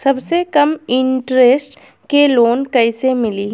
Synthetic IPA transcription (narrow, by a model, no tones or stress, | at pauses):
sɐbsekɐmɪ̃ɳʈɾeːsʈ | keloːnkɐɪsemɪliː